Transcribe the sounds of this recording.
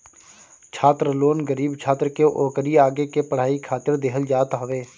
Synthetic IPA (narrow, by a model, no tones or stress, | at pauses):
t͡ʃʰaːt̪ɾəloːnɡəɾiːbt͡ʃʰaːt̪ɾəkeʔoːkəɾiaːɡekepəɽ̤aːikʰaːt̪ɪɾd̪eːɦəld͡ʒaːt̪ɦɐʋeː